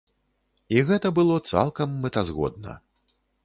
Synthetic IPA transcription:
iɣɛt̪ɐbɨlˠɔt̪sa̰lˠkɐmːɛt̪azɣɔ̰d̪̚nɐ̰

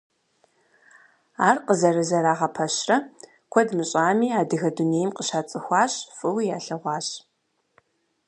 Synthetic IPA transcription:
aːrqəzɐɾɐzɐɾaːʁɐpʰɐɕrɐ | kʷʰɔdmɨɕʼaːmiːaːdɨɣɐduneːjmqəɕaːt͡sʼɨxʷɑːɕfʼɨwijaːɬɐʁʷɑːɕ

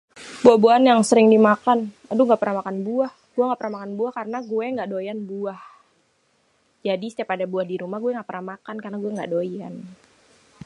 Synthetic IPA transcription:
buahbuanjaŋsəɾɪŋdimakan | aduŋɡapəɾamakanbuah | ɡ̥uɛŋɡaʔpəɾamakanbuahkarənaɡuɛŋɡaʔdojanbuah | d͡ʒadisət̪apadabuahdiɾumaɡuɛŋɡaʔpəɾamakankanaɡuɛŋɡaʔdoian

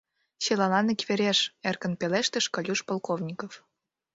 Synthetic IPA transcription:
ɕelɑlɑnikβeɾʲeʃerkə̆npeleʃt̪ə̆ʃkɑlʲuʃpolˠkovnʲikof

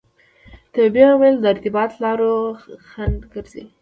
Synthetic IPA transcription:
t̪əbjɑwajld̪əɪɾt̪ɪbɑt̪lɑɾoxand̪ɡəɾzḭ

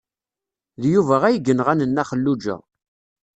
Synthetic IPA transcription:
ðjuvæʁæjəɡənʁænənːæχəlːud͡ʒæ̰

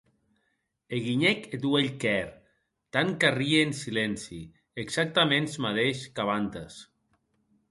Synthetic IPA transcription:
eɣiɲɛket̪ueʎkɛɾ | t̪aŋkarieːnsilensi | eksak̚t̪amẽnzmaðeʃkaβ̞ant̪as

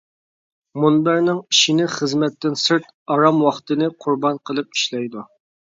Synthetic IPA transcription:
munbæɾnɪŋiʃinɪχəzmɛt̪ːɪnsɨɾt̪ | ɑɾɑmwɑχt̪ɨnɨqʰʊɾbɑnqʰəlˠɨp̚i̥ʃlɛjd̪u

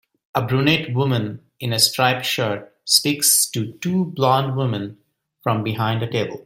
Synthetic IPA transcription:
əbɾuneʈwʊmə̃n | ɪ̃nəsʈɾaɪpʃəɾʈ̚ | spiksʈuʈuːblɔ̃nɖwʊmə̃n | fɾʌ̃mbɪɦãɪ̃nɖdəʈeːbə̰lˠ

